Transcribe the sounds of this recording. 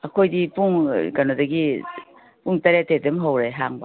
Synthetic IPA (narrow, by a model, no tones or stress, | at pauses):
ɐkʰojdipuŋɡɐnodɐɡi | puŋtaɾetedemɦawɾejɦaŋba